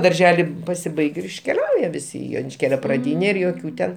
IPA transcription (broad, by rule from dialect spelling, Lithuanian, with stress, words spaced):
dɐrʲˈʒʲæːlʲɪ pɐsʲɪˈbɐɪkʲ ɪr ɪʃʲkʲɛˈlʲɛʊjɛ ʋʲɪˈsʲɪ ɪ joːnʲɪʃʲˈkʲeːlʲoː prɐˈdʲiːnʲɛ ɪr joːˈkʲuː tʲɛn